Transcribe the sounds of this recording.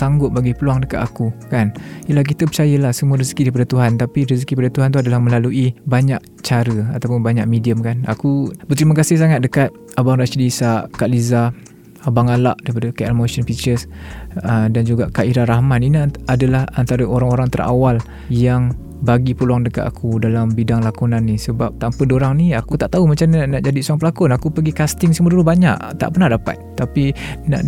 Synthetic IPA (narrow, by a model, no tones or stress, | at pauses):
saŋɡʊt̪̚baɡipəluaŋdəkat̪akukanijəlahk̬it̪əpət͡ʃajəlahsəmuəɾisə̥kidaɾipadət̪uɦant̪apiɾiskiipadət̪uɦant̪̬uadalahmə̃laluʔibaɲaʔ̚ | t͡ʃaɾəat̪awpʊnbaɲaʔ̚mediəmkana̰kubət̪əɾiməkasɪhs̬aŋat̪̚dəkat̪̚ | abaŋɾaʃdisakaʔliza | abaŋala̰ʔdaɾipadəkaʔɛlmoʃənfit͡ʃəsədand͡ʒuɡaʔkaʔiɾaɾahmaninaadalahant̪aɾəoɾaŋoɾaŋt̪əɾʔa̰wal | jaŋ | baɡipəluaŋdəka̰t̪akʰudalambidaŋlakunanːisəbap̚t̪ampədoɾaŋniakut̪aʔt̪aumat͡ʃamnnaʔd͡ʒadisuaŋpəlakʊnakupəɡikast̪ɪŋsəməduɾubaɲa̰ʔt̪a̰ʔpərnahdapa̰t̪̚t̪ːapina̰ʔ